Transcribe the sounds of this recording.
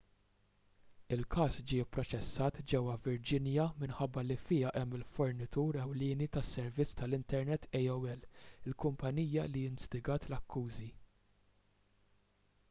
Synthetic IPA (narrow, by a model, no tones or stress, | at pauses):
ɪlkʰɐːsd͡ʒɪːpːɾɔt͡ʃɛsːɐːt̪d͡ʒɛwːɐvɪɾd͡ʒɪnjɐmɪnħɐbːɐlifɪːɐʔɛmːɪlfɔɾnɪt̪uːɾɛwlɪːnit̪ɐsːɛɾvɪt͡sːt̪ɐlɪnt̪ɛɾnɛt̪ːɛjɛwɛlɪlkʊmpɐniːjɐlijɪnst̪ɪɡɐːt̪lɐkːuːzi